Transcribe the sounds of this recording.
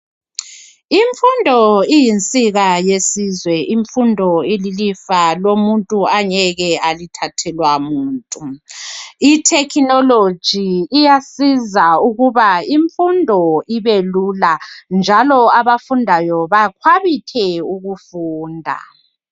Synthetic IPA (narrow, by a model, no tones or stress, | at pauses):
iɱfundʱɔijint͡sʼiɣajesizwɛʔiɱfundʱɔililifalomuntʼuaɲɛɣɛalitʰatʰɛlwamuːntʼu | itʰɛkʰinɔlo̥d͡ʒ̥ʱiːjasizauɣuβaiɱfundʱɔiβeluland͡ʒʱalɔaβafundʱajɔβakʰwaβikʰɛuɣufuːndʱa̰